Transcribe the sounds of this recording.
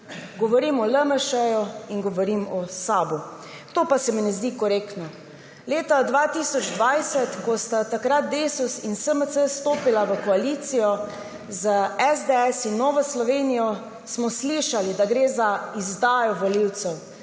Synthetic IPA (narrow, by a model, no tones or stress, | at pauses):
ɡɔʋɔɾimɔləməʃəjɔiŋɡɔʋɔɾimɔsaːbu | t̪oːpasɛmɛnɛzd̪ikɔɾeːkt̪nɔ | leːt̪ad̪ʋaːt̪isɔd͡ʒd̪ʋajsɛt̪kɔst̪at̪akɾat̪̚d̪esusinsəməsəst̪oːpilaʋəkɔaliːt̪sijɔ | zəɛzd̪eɛsinːɔːʋɔslɔʋeːnijɔ | smɔsliʃalid̪aɡɾeːzaizd̪aːjɔʋɔliwt̪sɛw